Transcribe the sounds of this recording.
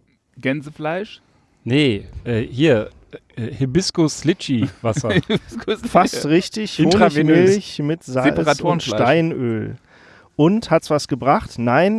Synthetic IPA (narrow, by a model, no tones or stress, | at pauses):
ɡ̥ɛnzəflaɪʃ | nəʔɛːhiːɐ | ʔɛːhɪbɪskoslɪt͡ʃivasɐskofastʁɪçtɪçoːnʁemɪlçmɪtzalpəʁatʰuːʊnʃataɪnø̰ːl | ʔʊnthatsv̥asɡ̥əbʁaχtnaɪn